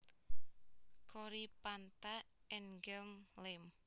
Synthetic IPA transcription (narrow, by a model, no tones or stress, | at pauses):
kʰoɾipant̪aɛnɡɛlmlɪm